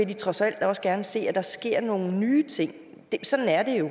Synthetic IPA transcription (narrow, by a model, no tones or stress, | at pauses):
e̝d̥it͡sʰʁɒ̽sæl̰d̥ɒ̽sɡ̥æɐnəse̝̰ːæd̥ɑ̈sɡ̥e̝ɐ̰no̝ːn̩nyːt͡sʰe̝ŋ̰ | d̥esɒ̽d̥n̩æɐd̥e̝jo̝